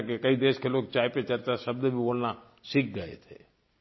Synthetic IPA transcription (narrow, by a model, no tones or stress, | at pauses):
kekɐid̪eːʃkeloːɡ̚t͡ʃaːɦpet͡ʃəɾt͡ʃasɐbd̪ebʱiboːlna | sɪk̚ʰɡəḛt̪ʰḛː